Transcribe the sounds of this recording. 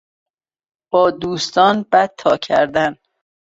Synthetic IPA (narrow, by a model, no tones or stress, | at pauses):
b̥ɒːd̪uːst̪ɒːnbæt̪̚ʰːɒːcʰæ̰ɾd̪æn